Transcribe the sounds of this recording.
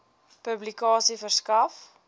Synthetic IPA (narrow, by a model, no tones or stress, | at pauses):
pɵblikɑːsifərskɐf